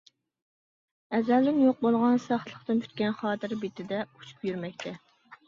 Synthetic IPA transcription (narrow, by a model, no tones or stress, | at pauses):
ɛzæld̪ɪnjoq̚bolˠʁɑnsɑχlˠəχt̪ɨntʰy̥t̪̚kʲɛnχɑːt̪ʰɨɾbet̪ʰɪd̪ɛu̥t͡ʃʰu̥pjyɾmɛkʲt̪ʰɛ